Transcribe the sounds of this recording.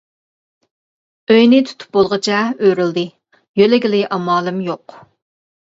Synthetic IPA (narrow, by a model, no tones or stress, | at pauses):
øjnɪt̪ʰu̥t̪ʰu̥p̚bolˠʁət͡ʃʰɛøɾyld̪ɨ | jølɪɡʲɪlɪʔɑmɑːlˠɨmjoq